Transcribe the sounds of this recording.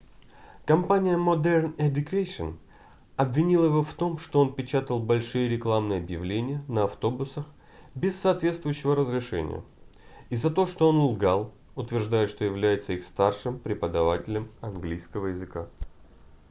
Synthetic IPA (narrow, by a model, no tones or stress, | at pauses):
kɐmpanʲɪjəmɐd̪ɛrnɛd̪ʲʊkaʂɨn | ɐbvʲɪnʲilˠəjɪvo̞ft̪o̞mʂt̪o̞o̞npʲɪt͡ɕat̪əlˠbɐlʲʂɨjəɾʲɪklˠamnɨjəɐbjɪvlʲenʲɪjənəɐft̪o̞bʊsəx | bʲɪsːɐːt̪vʲest̪vʊjʉɕːɪvəɾəzɾʲɪʂɛ̰nʲɪ̰jə̰ | izɐt̪o̞ʂt̪o̞o̞nʊlˠɡalˠ | ʊt̪vʲɪrʐd̪ajɪt̪ʂt̪ojɪvlʲæjɪt̪səixst̪arʂɨmpɾʲɪpəd̪ɐvatʲɪlʲəmɐnɡlʲijskəvəjɪzɨka